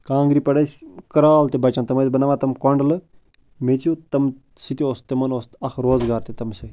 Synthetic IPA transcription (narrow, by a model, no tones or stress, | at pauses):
kãːŋɡɾiːpɐɽɐsʲkɐɾaːlt̪ebɐt͡ʃãnt̪ɐmɐzʲbɐnaʋãːt̪ɐmkoɳɖɐlɨ | met͡ʃiut̪ɐm | sit̪ioːst̪emɐnoːst̪ɐxʰɾoːzɡaːɾt̪et̪ɐmsɐi